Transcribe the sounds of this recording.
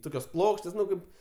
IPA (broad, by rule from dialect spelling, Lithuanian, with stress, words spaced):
ˈtoːkʲoːs ˈplˠoːkʃʲtʲeːs ˈnʊ ˈkɐɪp